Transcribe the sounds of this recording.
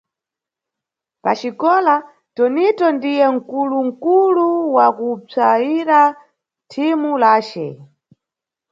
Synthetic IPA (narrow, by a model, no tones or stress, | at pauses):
pat͡ʃikɔla | tɔnitɔndijɛŋ̩kuluŋ̩kuluwakut͡saiɾa | tʰimulaːt͡ʃɛ̰